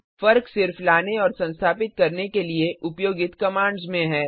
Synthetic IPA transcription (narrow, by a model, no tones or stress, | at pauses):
fɐɾksɪɾflaːneɔːɾsɐ̃nst̪ʰaːpɪt̪̚kɐɾnekelieʔʊpjoːɡɪt̪kɐmãːɳɖzmẽɦɛː